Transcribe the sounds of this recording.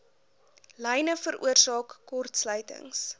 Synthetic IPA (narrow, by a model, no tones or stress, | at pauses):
lɛjnəfəɾʔṵərsɑːkːɔrtslœɥtə̰ŋs